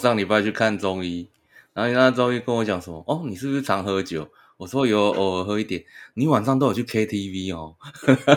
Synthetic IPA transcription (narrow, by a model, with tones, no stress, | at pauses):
ʂɑ˥˨ŋni˨˩pu˧˩a˥˧˩t͡ɕʰy˥˧kʰa˥˨nt͡sɔ˦ŋi˦ | na˨˦ɦni˨˩a˥˧t͡sɔ˦ŋi˦kə˦nwɔ˧˦t͡ɕjɑ˨˩ŋsə˨˦mɔ˧˦ʔɔ˥˩ni˨˩ʂɻ̩˥˩u˩i˥˩ʈ͡ʂʰɑ˧˥ŋɦɤ˧˦t͡ɕjo˨˩˦ʊ | wɔ˨˩s̩˥wo˧jo˧˦ʔɔ˨˩˧ɦɤ˧˦i˥˧t̪jɛ˨˩˦nni˨˦wa˨˩nʂɑ˥˧ŋt̪o˥jo˨˩t͡ɕʰy˥˩kʰe˦ɪt̪ʰi˦˥vi˦hɔ˥˧˩